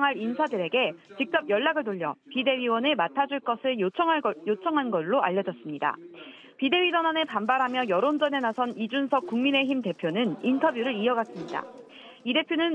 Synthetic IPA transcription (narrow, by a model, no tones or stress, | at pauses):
ŋɦaɾinsʰadɯɾe̞ɡe̞t͡ɕik̚t͡ɕ͈ʌp̚jʌɭːaɡɯɭtoʎːʌ̰pide̞ɥiwʌnematʰad͡ʑuɭk͈ʌsʰɯɭt͡ɕʰʌjot͡ɕʰʌŋɦanɡʌɭːoa̰ʎːʌd͡ʑʌs͈ɯmɲida̰ | pide̞ɥid͡ʑʌnane̞pambaɾɦamjʌjʌɾond͡ʑʌne̞nasʰʌnid͡ʑunsʰʌk̚k͈uŋmine̞çimte̞pʰjonɯnintʰʌbjuɾɯɾiʌɡas͈ɯmɲida̰ | ide̞pʰjonɯn